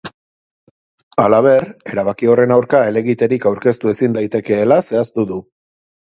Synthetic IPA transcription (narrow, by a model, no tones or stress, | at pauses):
alaβ̞e̞re̞ɾaβ̞akio̞re̞nawɾkae̞le̞ɣit̪e̞ɾikawɾke̞st̪ue̞sind̪ajt̪e̞ke̞ːlase̞ast̪uðu